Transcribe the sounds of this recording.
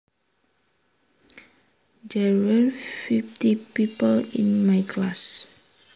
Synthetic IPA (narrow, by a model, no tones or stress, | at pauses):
dɛwɛfiftipipəlḭ̃nmajkʰlas